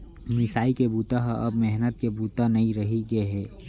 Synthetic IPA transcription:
mɪsaːikebuːt̪aɦʔɐbmɛɦnət̪̚kebuːt̪anɐĩɾɐɦiɡeɦɛː

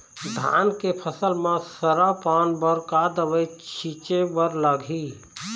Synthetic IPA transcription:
d̪ʱa̰nkepʰəsəlmẽsəɾapanbəɾkad̪əʋəjt͡ʃʰit͡ʃebəɾləɡʱi

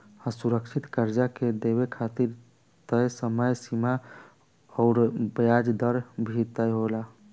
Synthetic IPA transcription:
əsuɾəkʃʰit̪kəɾd͡ʒaked̪eβekʰat̪iɾ | t̪əjsəməjsima | ɔːɾbjad͡ʒd̪əɾbʱit̪əjɦola

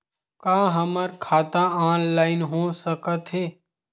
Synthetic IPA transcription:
kaːɦəməɾkʰaːt̪aãːnlaːɪnɦosəkət̪ɦeː

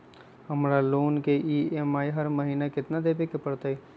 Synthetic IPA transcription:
hɐmɾaloːnkeʔiːemaːiɦɐɾməɦiːnakɪt̪nad̪eːbekepɐɾt̪əi

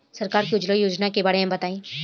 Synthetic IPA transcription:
sɐɾkaːɾkiʊd͡ʒləjoːd͡ʒnakebaːɽeɦãmbɐt̪aːĩː

